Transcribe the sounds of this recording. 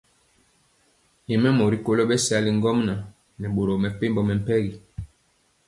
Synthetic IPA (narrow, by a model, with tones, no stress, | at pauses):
jɛ˨mɛ˦mo˨ɾi˦ko˦lo˦ɓɛ˦si˦a˦li˦ŋ˦ɡɔ˦mna˨ | nɛ˨ɓo˨ɾo˨mɛ˨pe˦mbɔ˨mɛ˨m̩˦pɛ˦ɣi˨